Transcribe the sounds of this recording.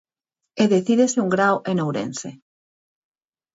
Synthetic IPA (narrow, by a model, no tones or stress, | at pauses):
eðeθiðeseuŋɡɾawʔenowɾḛnse